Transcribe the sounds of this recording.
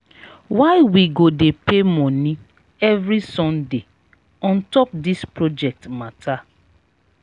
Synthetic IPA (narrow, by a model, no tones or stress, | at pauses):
waɪwiɡodepemɔ̃nĩ | ɛvɾisɔ̃nde | ɔ̃ntɔp̚dispɹod͡ʒɛk̚tmatʰa